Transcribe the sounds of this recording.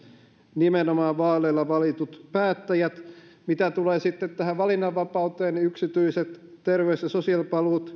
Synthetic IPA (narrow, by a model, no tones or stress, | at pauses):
nimenomɑːʋʋɑːleilːɑʋɑlit̪ut̪pæːt̪ːæjæt̪ | mit̪æt̪uleːsit̪ːet̪t̪ːæhæʋʋɑlinːɑʋːɑpɑut̪eːnniyksit̪yiset̪t̪erʋeysjɑsosiɑlpɑlut̪